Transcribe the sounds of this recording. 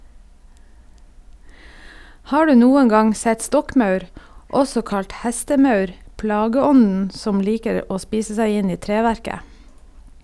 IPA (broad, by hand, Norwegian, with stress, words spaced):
ˈhɑː ˈɖʉː ˈnuːəŋ ˈɡɑŋ ˈsɛt ˈstɔkˌmɑʉɾ ˈɔsɔ ˈkɑʎt ˈhɛstəˌmɑʉɾ ˈplɑːɡəˌɔnn̩ ˈsɔm ˈliːkəɾ ˈoː ˈspiːsə ˈsæɪ ˈɪn ˈiː ˈtɾeːˌʋæɾkə